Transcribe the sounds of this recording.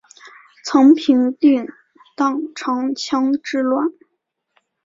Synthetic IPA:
t͡sʰɤ˧˥ŋpʰi˧˥ŋt̪i˥˩n | t̪ɑ˥˩ŋʈ͡ʂʰɑ˧˥ŋt͡ɕʰjɑ˥ŋʈ͡ʂɻ̩˥lwa˥˩n

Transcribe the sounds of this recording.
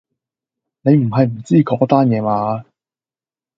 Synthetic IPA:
ne˨˧jm̩˨˩ɦɐ˨jm̩˨˩t͡siː˥˩kɔː˨˥t̪aː˥njɛː˨˧maː˨˧

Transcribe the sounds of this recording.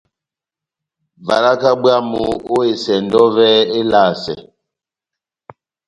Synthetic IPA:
va̰˨la˦ka˦bwa˦mu˨o˦e˨sɛ˨ndɔ˦vɛ˦e˦laː˦˨sɛ̰˨

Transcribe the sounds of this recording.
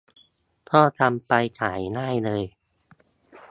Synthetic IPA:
t̪ʰɔː˥˩t̪a˧mpa˧jkʰaː˩˦jnaː˥˩jlɤː˧j

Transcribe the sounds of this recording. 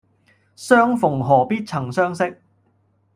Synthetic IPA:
sœː˥ŋfʊ˨˩ŋɦɔː˨˩piː˥t̚t͡sʰɐ˨˩ŋsœː˥ŋsɪ˥k̚

